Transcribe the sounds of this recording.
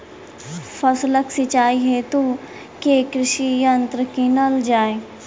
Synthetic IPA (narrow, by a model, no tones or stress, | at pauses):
fʰɐsləksɪt͡ʃaːiɦet̪u | kekɾɪʃijɐ̃nt̪ɾəkinəld͡ʒaːe